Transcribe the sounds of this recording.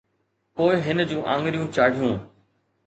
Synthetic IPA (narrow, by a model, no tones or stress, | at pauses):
poːɪɦɪnd͡ʑũːʔãːŋɡɾijũːt͡ɕaːɽ̤ijũː